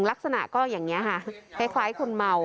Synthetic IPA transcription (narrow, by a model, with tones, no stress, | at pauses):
ŋla˦˥k̚sa˧na̰˨˩kɔː˥˩jaː˨˩ŋni˦˥ɐkʰa˥˩kʰa˦˥jkʰlaː˦˥jkʰo˧nma˧w